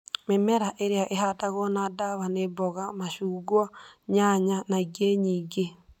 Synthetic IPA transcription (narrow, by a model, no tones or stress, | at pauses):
memɛɾaʔeɾeaʔeɦataɣɔnadaβanebɔɣamaʃuːɡwɔɲaɲanaiɡeɲiːɡe